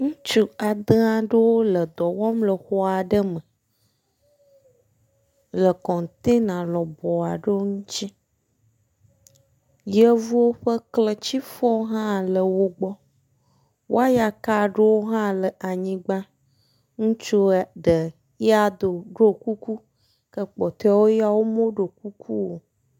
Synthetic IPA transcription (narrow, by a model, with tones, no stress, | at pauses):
ŋũ˦t͡ʃu˦a˨d̪ə˦a˦ɖə˦wo˦lə˨d̪ɔ˨wɔ˦mlə˨xɔ˦a˨ɖə˦mə˨ | lə˨kɔ̃˨n˨t̪e˦nã˨lɔ˨bɔ˨a˨ɖə˦wo˦ŋũ˦t͡ɕi˦ | jə˦vu˦wo˦ɸə˦klə˨t͡ɕi˦fɔ˦ɦã˦˨lə˨wo˦ɡ͡bɔ˦ | wʔo˦a˦ja˨ka˦ɖe˦wo˦ɦã˦lə˨ʔa˨ɲĩ˨ɡ͡bã˦ | ŋũ˦t͡ʃo˦ɖə˨ | ja˦d̪o˨ɖo˦ku˦ku˦ | kə˦k͡pɔ˨t̪e˦wo˦ja˦wo˦mõ˦ɖo˨k̚u˦kʰu˦wo˨